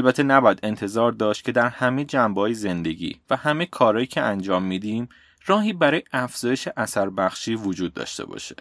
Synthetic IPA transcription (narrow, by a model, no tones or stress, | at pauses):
lbæt̪ʰːe̞næbɒːjæd̪e̞nt̪ʰe̞zɒːɾd̪ɒːʃt̪̚cʰe̞d̪æɾhæme̞d͡ʒæmbehɒːjeze̞nd̪e̞ɟḭːvæhæmekʰɒːɾɒːjiːcʰeænd͡ʒɒːmːid̪iːm | rɒːɦiːbæɾɒːjeʔæfz̥ɒːjeʃeʔæsæɾbæxʃiːvod͡ʒuːd̪̚ːɒ̰ʃt̪e̞̰bɒ̰ːʃe̥̰